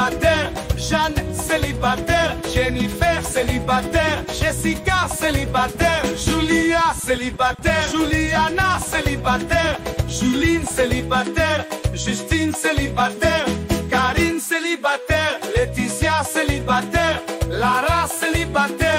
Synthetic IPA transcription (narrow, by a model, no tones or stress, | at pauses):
at̪ɛʁ | ʒanselibat̪ɛʁʒenifɛʁselibat̪ɛʁʒesikaselibat̪ɛʁʒyliaselibat̪ɛʒulianaselibat̪ɛʁʒylinselibat̪ɛʁʒyst̪inselibat̪ɛʁkaʁinselibat̪ɛʁlet̪isjaselibat̪ɛʁlaʁaselibat̪ɛ